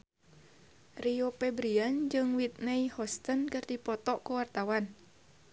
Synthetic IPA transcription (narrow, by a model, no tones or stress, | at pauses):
riopɛbɾiand͡ʒɨŋwit̪̚nɛihɔst̪ənkɨrdipɔt̪ɔʔkuwart̪awan